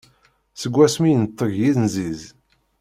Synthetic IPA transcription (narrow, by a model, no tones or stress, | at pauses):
səɡʷːæsmijənət̪ˤːəɣjiðnziz